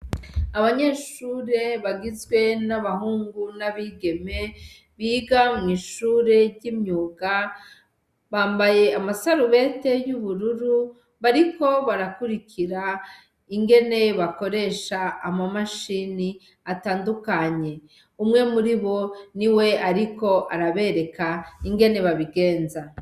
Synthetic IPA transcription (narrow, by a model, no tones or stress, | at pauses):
aβaɲe̞ʃuːɾe̞βaɡizɡwe̞naβahuːŋɡunaβiɡe̞me̞ | βiːɡamŋiːʃuːɾe̞ɾɟimɲuːɡa | βaːmbaje̞amasaɾuβe̞te̞juβuɾuɾu | βaɾiko̞βaɾakuɾikʰiɾa | iŋɡe̞ne̞βako̞ɾe̞ʃaːmamaʃini | ataːndukaɲe̞ | umŋe̞muɾiβo̞niwe̞ʔaɾiko̞ʔaɾaβe̞ɾe̞kaiŋɡe̞ne̞βaβiɡe̞ːnza